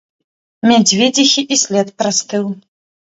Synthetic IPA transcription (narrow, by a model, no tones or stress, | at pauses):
mʲad͡zʲvʲɛd͡zʲixʲiʔisʲlʲɛt̪pɾast̪ɨw